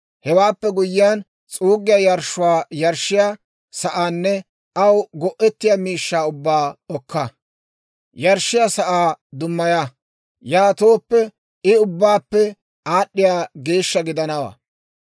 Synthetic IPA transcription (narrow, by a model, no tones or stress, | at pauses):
hɛwaːpːɛɡʊjːɪjaːn | t͡sʼuːɡɪjajɐɾʃʊwaːjɐɾʃːɪja | sɐʔaːnːɛ | ɐwɡɔʔɛt̪ːɪjamiːʃːaːʊbːaːɔkːɐ | jɐɾʃːɪjasɐʔaːd̪ʊmːɐja | jaːt̪oːpːɛ | ɪʊbːaːpːɛ | aːɗːɪjaːɡe̞ːʃːɐɡɪd̪ɐnɐwa̰ː